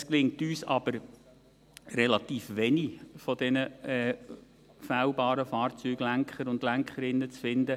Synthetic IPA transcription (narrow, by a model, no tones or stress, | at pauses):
sklɪŋt̪yːsɑ̰b̥əɾ | rɛlɑt̪iːfʋɛnifɔd̥̪ɛnəɛ | fæːwbɑːɾəfɑːrt͡syːɡ̥læŋkχəɾʊndlæŋkχəɾɪnːət͡sfɪnd̪ə